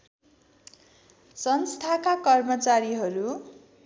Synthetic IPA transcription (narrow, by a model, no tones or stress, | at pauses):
sʌnst̪ʰakakʌrmʌt͡saɾiɦʌɾu